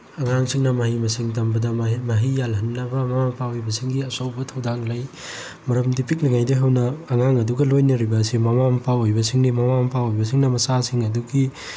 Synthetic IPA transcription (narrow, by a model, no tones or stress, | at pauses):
ɐŋaŋsiŋnɐmɐhimɐsiŋtɐmbɐdɐmɐɦijalɦɐnːɐbɐmɐmampʰawojbɐsiŋɡiɐsɐwbɐtʰɐwdaŋlaj | mɐɾɐmdipʰik̚liŋajdɐɦɐwnɐːŋaŋɐduɡɐlojnɐɾibɐsimɐmampʰawojbɐsiŋnimɐmampʰawojbɐs̬iŋnɐmɐsasiŋɐduɡi